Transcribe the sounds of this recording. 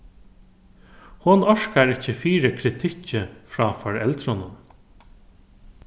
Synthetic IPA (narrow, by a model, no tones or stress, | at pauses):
hʊnɔʂkaɹɪcːəfiːɾəkʰɾɪt̪ʰɪcəfɹɔːfɔɹɛlt̪ɾɔnʊm